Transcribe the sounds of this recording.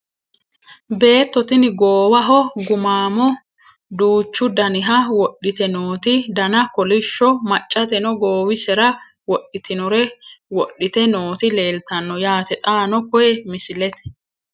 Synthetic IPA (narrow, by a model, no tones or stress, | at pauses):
be̞ːt̪ːɔt̪ɪnɪɡoːwɐɦɔɡʊmaːmɔ | d̪uːt͡ʃːʊd̪ɐnɪɦɐwɔɗːɪt̪ɛnoːt̪ɪd̪ɐnɐkɔlɪʃːɔmɐt͡ʃʼːɐt̪ɛnɔɡo̞ːwɪsɛɾɐ | wɔɗːɪt̪ʰɪnɔɾɛwɔɗɪt̪ɛno̞ːt̪ɪleːlt̪ɐnːɔjaːt̪ɛt̪ʼaːnɔkɔjɛmɪsɪlɛt̪ɛ̥